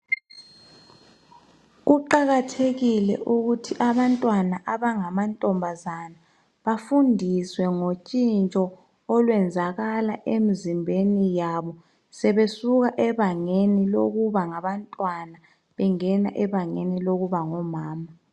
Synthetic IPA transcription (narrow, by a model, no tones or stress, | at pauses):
ɣuǃaɣatʰeɣilɛ̰ʔuɣutʰiʔaβantʼwanaʔaβaŋamantʼɔmbʱazana | βafundʱiswɛŋot͡ʃʼint͡ʃʼɔ | ɔlwɛnd͡zʱaɣalaʔemizimbʱenijaβɔ | sɛβesuɣaʔɛβaŋeniloɣuβaŋaβantʼwana | βɛŋɛna̰ʔɛβaŋḛniloɣuβaŋɔmaːma